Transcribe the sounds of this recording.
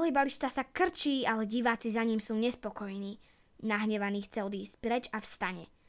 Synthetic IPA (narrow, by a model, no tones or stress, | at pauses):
ɦiːbalist̪aːsakr̩t͡ʃiːalɛɟiʋaːt͡sizaɲiːmsuːɲɛspɔkɔjniː | naɦɲɛʋaniːxt͡sɛɔd̪iːscpɾɛt͡ʃafst̪aɲɛ̰